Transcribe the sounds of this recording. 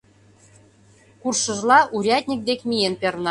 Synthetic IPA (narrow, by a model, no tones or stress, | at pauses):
kurʃə̆ʒlɑʔuɾʲɑtʲnʲik̚d̪ekmʲijenpʲernɑ